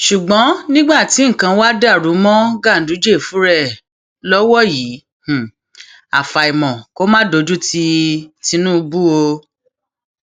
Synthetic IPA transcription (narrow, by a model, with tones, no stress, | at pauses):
ʃu˨ɡ͡bɔ̃˨˦nĩ˦ɡ͡ba˦˨ti˨˦ŋ̩˨kã˧wa˦da˦˨ɾu˨˦mɔ̃˦ɡa˦˨n̩˨du˨˦d͡ʒe˦˨fũ˨˦ɾɛ˦˨ | lɔ˦wɔ˦˨jĩː˨˦˨ | a̰˨fa˨i˨mɔ̃˨ko˦mãː˦do˨˧d͡ʒu˦tʰi˧ti˧nũ˦˧bu˦o˧